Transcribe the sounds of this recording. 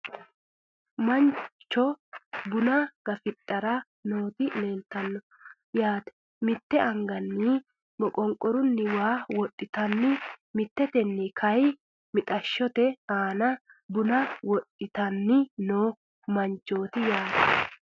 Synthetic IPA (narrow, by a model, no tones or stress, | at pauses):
mɐnt͡ʃːɔbʊnɐɡ̥ɐfɪt̪ʼːɐɾɐ | noːt̪ɪneːnt̪ːɐnːɔ | jaːt̪ɛ̥ | mɪt̪ːɛʔɐŋɡɐnːɪ | mɔkʼɔŋkʼːɔɾʊnːɪwaːwɔt̪ʼːɪt̪ɐnːɪmɪt̪ːɛt̪ɛnːɛkʰɐj | mɪt̪ʼɐʃːɔt̪ɛaːnɐ | bʊnɐwɔtʼːɪt̪ɐnːɪnoː | mɐnt͡ʃːo̞ːt̪ɪjaːt̪ɛ̥